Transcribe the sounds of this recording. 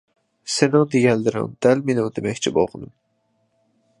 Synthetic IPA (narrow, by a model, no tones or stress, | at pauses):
sɪnɪŋd̪eɡʲɛld̪ɪɾɪ̰ŋd̪̥ælmenɪŋd̪emɛkʲt͡ʃʰibo̰lˠqʰənɨm